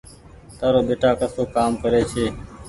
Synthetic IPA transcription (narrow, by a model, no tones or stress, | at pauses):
t̪aːɾoːɓeːʈaːkəsoːkaːmkəɾeːt͡ʃʰeː